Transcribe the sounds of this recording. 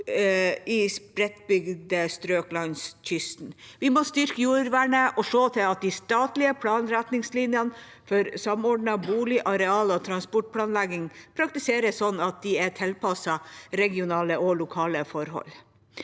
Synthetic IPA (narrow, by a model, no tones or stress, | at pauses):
ɪspɾɛt̪bʏɡd̪əst̪ɾøːklɑnsc͡çʏst̪nʋɪmɔst̪ʏɾkəjuːɾʋæɳəʔɔʂoːt̪ʰɪlɑt̪̚d̪ɪst̪ɑːt̪lɪəpʰlɑːnɾæt̪nɪŋslɪnjən | fɔɾsɑmɔɖɳɑbuːlɪʔɑɾɛɑːlɔt̪ʰɾɑnspɔʈ̚pʰlɑːnlæɡɪŋpʰɾɑkt̪ɪseːɾəssɔnːɑt̪̚d̪ɪɛt̪ʰɪlpɑsɑɾɛɡɪʊnɑːləʔɔlʊkʰɑːləfɔɾɦɔ̰l